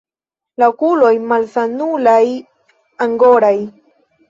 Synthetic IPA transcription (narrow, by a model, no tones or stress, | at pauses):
laokulojmalsanulaj | aŋɡoɾaj